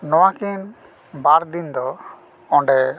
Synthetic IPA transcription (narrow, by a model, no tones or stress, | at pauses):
nɔwakin | baɾd̪ind̪ɔ | ɔɳɖɛ